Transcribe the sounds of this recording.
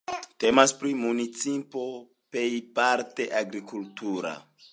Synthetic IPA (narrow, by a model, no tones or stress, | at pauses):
te̞maspɾimunit͡sipo̞ | pe̞jpaɾte̞ʔaɡɾikultʰuɾa̰